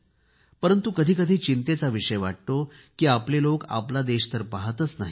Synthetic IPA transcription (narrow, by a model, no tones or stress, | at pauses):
pəɾənt̪ukəd̪ʱiːkəd̪ʱiːt͡ɕint̪et͡saʋiʂəjʋaʈ̚t̪o | kiːapleloka̰plad̪eɕt̪əɾpaɦət̪ət͡snaɦi